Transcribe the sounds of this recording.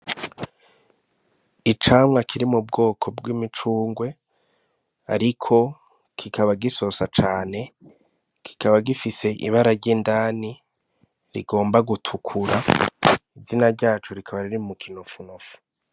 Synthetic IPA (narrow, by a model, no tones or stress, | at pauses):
it͡ʃaːmŋakʰiɾimub̚ɡo̞ːkʰo̞bɡwimit͡ʃuːŋɡwe̞ | aɾikʰo̞ | kʰikʰaβaɡiso̞sat͡ʃaːne̞ | kʰi̥kaβaɡifise̞ʔḭβaɾaɾɟiːndaːni | ɾḭɡo̞ːmbaɡutʰukʰuɾa | izinaɾɟaːt͡ʃuɾikʰaβaɾiɾimukʰinofunofu̥